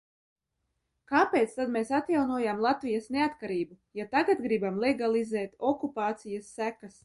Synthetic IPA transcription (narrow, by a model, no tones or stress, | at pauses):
kaːpeːt̪st̪ad̪meːsat̪jawnuɔjamlˠat̪vijasneat̪kaɾiːbu | jat̪aɡat̪ɡɾibamlˠeɡalˠizɛːt̪ɔkupaːt̪sijasːækas